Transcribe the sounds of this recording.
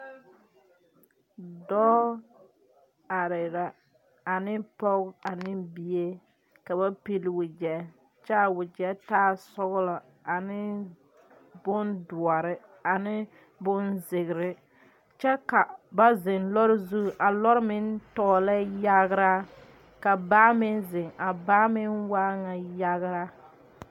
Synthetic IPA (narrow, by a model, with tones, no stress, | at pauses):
dɔː˦ | a˨ɾɪ˨ɾa˨ | a˨nɪ˦pɔ˦ɣa˨nɪ˦bi˦e˦ | ka˨ba˦pi˦lɪ˦˨wʊ˨d͡ʒɛ˦ | t͡ʃɛ˦a˨wʊ˨d͡ʒɛ˦taː˦sɔ˦ɣlɔ˨ | a˨nɪ˦ | bʊ˦ndʊ˨ɔ˨ɾɪ˦ | a˨nɪ˦ | bʊ˦nzɪ˨ɣɪ˨ɾɪ˦ | t͡ʃɛ˦ka˨ba˦zɪ˨nlɔ˦ɾɪ˦zu˦˨ʔa˨lɔ˦ɾɪ˦mɪ˦n˦tɔː˦la˦ja˦ɣɾa˦ | ka˨baː˦mɪ˦nzɪ˨ŋa˨baː˦mɪ˦nwaː˦ŋa˨ja˦ɣɾa˦